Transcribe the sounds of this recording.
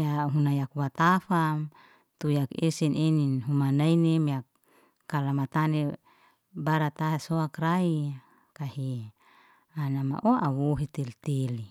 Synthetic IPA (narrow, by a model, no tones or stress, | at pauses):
jaɦunajakwat̪afam | t̪ujakesɛneninɦumanainemiakː | alamat̪ane | baɾat̪aɦesoakrai | kaɦi | anama̰ʔoʔawoɦit̪elt̪eli